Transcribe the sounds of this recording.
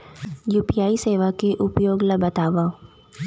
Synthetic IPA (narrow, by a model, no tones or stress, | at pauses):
juːpijaːiseːʋakeʔʊpjoːɡlɐbɐt̪aːʋa